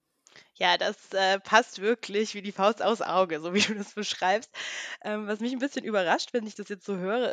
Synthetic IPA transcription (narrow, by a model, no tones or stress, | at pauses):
jaːdasʔɛːpʰastv̥ɪɐkʰlɪçv̥iːdiːfaʊsta̰ʊfsʔa̰ʊɡəzoːviːduːdasb̥əʃʁ̥aɪpst̚ʔɛːmvasmɪçn̩bɪsçənʔyːbɐʁaʃtv̥ɛnɪçd̥asjɛt͡stz̥oːɦøːʁ̞ə